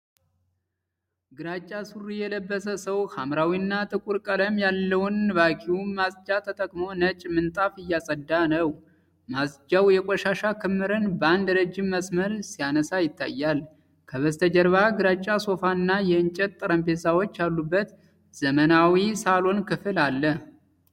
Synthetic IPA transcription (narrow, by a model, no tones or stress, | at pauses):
ɡɨɾat͡ʃʼːasurijɛləbːəsəsəwhʰamɾawinːat̪ʼɨkʼuɾkʼələmjalːəwnβakʼiwumasʼd͡ʒat̪ʰət̪ʼəkʼmo̞nət͡ʃʼmɨnt̪ʼafɨjːasʼəd̪ːanəw | masd͡ʒawjɛkʼɔʃaʃakʰɨmːɨɾɨnbəand̪ɾəd͡ʒːɪmːəsməlsijanəsajɪt̪ʰːa̰jːal | kʰəβəst̪ʰəd͡ʒəɾβaɡɨɾat͡ʃʼːaso̞fanːajɛɨnt͡ʃʼɛt̪̚t̪ʼəɾəmpe̞sawo̞t͡ʃːjalːubːət̪ | z̥əmənawisalo̞nkɨfɨlalːə